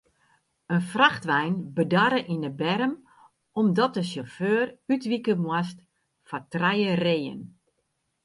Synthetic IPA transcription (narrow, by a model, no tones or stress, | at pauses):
ənfraxtʋɛjnbədaɾəʔinəbɛɾəm | ɔmdɔt̚dəsoføːrytʋikəmwast | fatrɛjəreːjə̰n